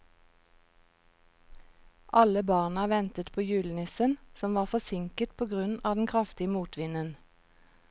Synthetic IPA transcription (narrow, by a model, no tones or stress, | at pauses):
ʔɑləbɑːʁnəʋɛnt̪ət̪pʰoːjʉːln̩ɪsənsɔmʋɑːʁfɔsɪŋkət̪pʰoːɡʁʉnɑːd̪n̩kʰʁɑft̪ɪəmuːt̪ʋɪnən